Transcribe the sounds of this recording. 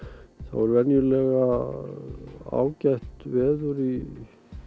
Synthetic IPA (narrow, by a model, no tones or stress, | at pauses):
θa̰vɔɾvɛnjʏlɛɣa | a̰ːwcajht̪vɛːðʏɾi